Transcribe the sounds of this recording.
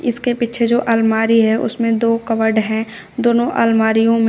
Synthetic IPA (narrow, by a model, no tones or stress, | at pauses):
ɪskepiːt͡ʃʰed͡ʒoːʔaːlmaːɾiɦɛʔʊ̰smẽd̪oːkɐʋəɖɦɛ̃ | d̪oːnõʔa̰ːlmaːɾijõmẽ